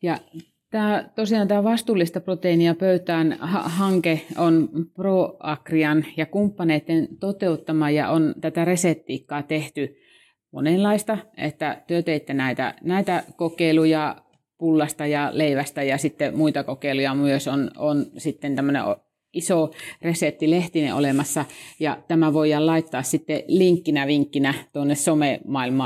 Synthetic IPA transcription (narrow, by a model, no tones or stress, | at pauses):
jɑ | t̪æːt̪osiɑnt̪æːʋɑst̪uːlːist̪ɑprot̪einiɑpøyt̪æːnhɑ̰hɑŋkeonproːɑkriɑnjɑkumpːɑneːt̪ːent̪ot̪eut̪ːɑmɑjɑ̰ʔont̪æt̪æresep̚t̪iːkːɑːt̪eht̪y | mo̰nelɑist̪ɑḛt̪ːæt̪yøt̪eit̪ːenæit̪æ̰næˑit̪ækokeilujɑ | pulːɑst̪ɑjɑleiʋæst̪æjɑsit̪ːemuit̪ɑkokeˑilujɑmyøsononsit̪ːent̪æmːønḛʔo̰ | isoresep̪tːileht̪inḛʔʔo̰lemɑsːɑjɑt̪æmæʋoijɑlɑit̪ːɑːssit̪ːeliŋkːinæʋiŋkːinæt̪uonːessomemɑilmɑː